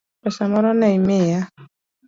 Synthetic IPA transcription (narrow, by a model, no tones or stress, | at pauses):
pɛsamɔɾɔnaimɪja